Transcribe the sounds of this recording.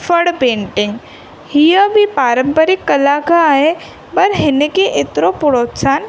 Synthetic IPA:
fəɽpẽːɳʈɪŋɡ | hijəbʱipaːɾə̃mpəɾɪkːɐlaːkaɦe | bɐɾɦɪnekeʔɪt̪ɾopʊɾoːtsaːn

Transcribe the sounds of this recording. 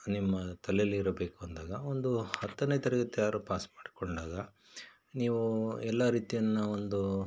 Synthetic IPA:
nimːɐt̪ɐlejɐlːiːɾɐbe̞ːkuɐnd̪aːɡɐo̞nd̪uhɐt̪ːɐnet̪ɛɾɐɡɐt̪ːejaːɾuːpaːsmaːɖikoɳɖaːɡɐ | niːʋuɛlːaɾiːt̪ijɐnːɐo̞nd̪u

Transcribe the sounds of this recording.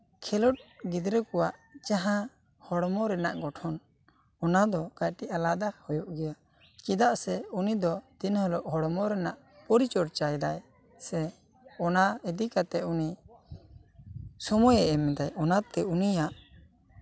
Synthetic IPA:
kʰɛlɔʈ̚ɡid̪ɾəkɔwaʔt͡ʃaɦã | hɔɽmɔɾɛnaʔɡɔʈʰɔn | ɔnad̪ɔkajʈiʔalad̪ahɔjɔʔɡɛja | kid̪aʔsɛunid̪ɔd̪̥inhɔlɔʔɦɔɽmɔɾɛnaʔ | pɔɾit͡ʃɔɽt͡ʃajd̪aj | sɛ | ɔnaid̪ikat̪ɛuni | sɔmɔjɛʔɛmɛd̪ajɔnat̪ɛunijaʔ

